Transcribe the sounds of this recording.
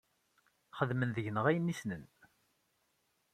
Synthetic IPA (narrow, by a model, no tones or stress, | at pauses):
χəðmənðəʝnəʁæjənːisnən